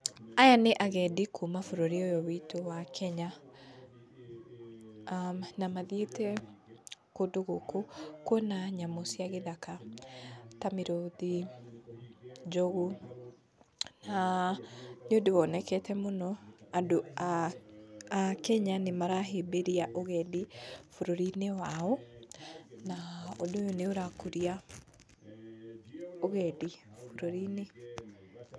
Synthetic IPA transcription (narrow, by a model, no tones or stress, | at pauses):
ajaneʔaɣɛdikʰumafoɾoɾiojɔwitowakʰɛɲa | namaðietɛ | kodoɣokokwɔnaɲamosiaɣeðaka | tameɾoði | d͡ʒɔɣu | na | nodewɔnɛkɛtɛmonɔado | akɛɲanemaɾaɦebeɾiaʔoɣɛdifoɾoɾinewaɔ | naodojoneoɾakoɾia | oɣɛdifoɾoɾine